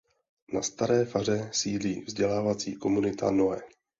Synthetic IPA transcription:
nast̪aɾɛːfar̝ɛsiːdliːvzɟɛlaːvat͡siːko̞munɪt̪a̰no̞ɛ

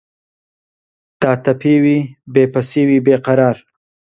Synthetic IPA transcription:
t̪ɑːt̪apewibepasewibeqaɾɑːɾ

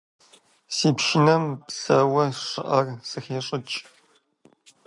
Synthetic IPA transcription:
siːpʃɪnɐmpsɐwɐʂɨ̰ʔɐrsɨxeːɕʼɪt͡ʃʼ

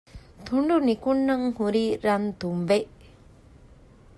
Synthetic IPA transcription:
t̪ʰuɳɖunikunːɐŋhuɾiːɾant̪umʋeʔ

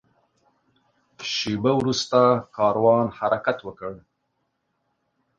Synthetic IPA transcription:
ʃebawɾust̪akɑɾwɑnhaɾakat̪wəkəɽ

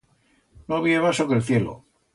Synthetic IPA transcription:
noaβ̞iamasokelθje̞lo̰

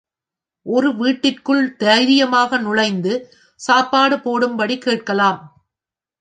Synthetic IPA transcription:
ʔɔɾɯʋiːʈːɪrkɯɭt̪eɾɪjɐmaːɣɐnʊɻɐɪnd̪ɯ | saːpːaːɽɯpoːɽɯmbɐɽikːeːʈ̚kɐlaːm

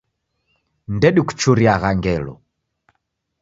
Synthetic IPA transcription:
ndɛɗiku̥t͡ʃuɾiaɣaŋɡɛlɔ̰

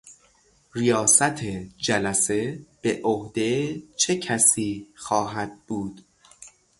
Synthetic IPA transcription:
rijɒːsæt̪ʰed͡ʒælæse̞b̥eʔohd̪e̞t͡ʃʰecʰæsiːxɒːɦæd̪̚buːd̪̥

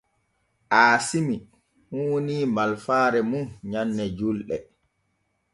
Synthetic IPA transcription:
ʔaːsimi | huwniːmalfaːɾɛmuɲanːɛd͡ʒulɗɛ̰

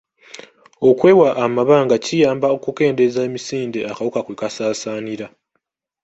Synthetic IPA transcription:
o̞kwe̞ːwaʔːmaβaːŋɡacijaːmbao̞kuke̞ːnde̞zaemisiːndeakawukakwekasaːsaːniɾa

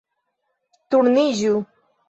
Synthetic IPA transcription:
t̪uɾniʑu

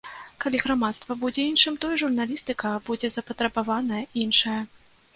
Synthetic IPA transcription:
kalʲiɣɾamat̪st̪vɐbud͡zʲɛinʂɨmt̪ɔjɛʐurnalʲist̪ɨkɐbud͡zʲɛzɐpɐt̪ɾɐbavanɐjɐinʂɐjɐ

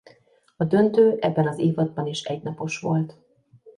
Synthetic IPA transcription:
ɒd̪ø̞nt̪øːʔɛbːɛnɒzeːvɒd̪̚bɒniʃɛɟnɒpo̞ʃʋo̞lt̪

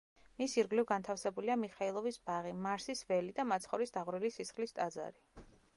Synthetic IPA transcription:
misiɾɡlivɡant̪ʰafsɛbuliamiχailˠɔvisbaʁimaɾsisvɛlid̪amat̪sʰχɔɾisd̪aʁɾilisisχlist̪ʼad̪za̰ɾi

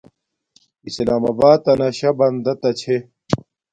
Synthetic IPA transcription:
islaːmɐːbaːt̪̚ɐnɐɕɐbɐnd̪ɐt̪ɐt͡ɕʰe

